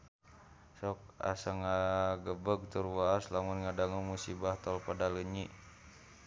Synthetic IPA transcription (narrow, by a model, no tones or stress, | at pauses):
sɔk̚a̰səŋaɡəbəɡ̚t̪urwaslamunŋadaŋumusibaht̪ɔlpadaləɲiʔ